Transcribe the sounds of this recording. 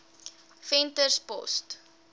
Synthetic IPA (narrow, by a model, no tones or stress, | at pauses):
fɛntərspɔ̰st